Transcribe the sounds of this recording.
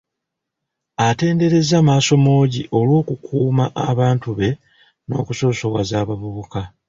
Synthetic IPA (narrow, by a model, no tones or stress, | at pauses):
ate̞ːnde̞ɾe̞zamaːso̞mo̞ːɟiʔo̞lwo̞ːkukʰuːmaʔaβaːntuβe̞ | no̞̰ːkuso̞ːso̞βwazaːβaβuβuka